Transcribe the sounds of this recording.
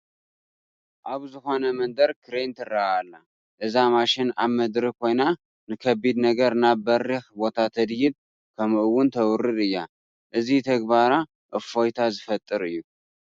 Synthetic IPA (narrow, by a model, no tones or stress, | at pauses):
ʔaβzɨho̞nəmənd̪əɾkʰɨɾent̪ʰɨraalːa | ʔɨzamaʃɪnamːəd̪ɾɨkho̞jna | nɨkʰəbid̪nəɡəɾɨnabərːɨhbo̞t̪ʰat̪ʰəd̪jɪd̪̚ | kʰəmɨʔɨwːʊnt̪ʰəwʊɾːɨd̪ɨjːa | ʔɨzit̪ʰəɡbaɾa | ʔɨfo̞jt̪ʰazɨfət̪ʼːɨɾɨjːu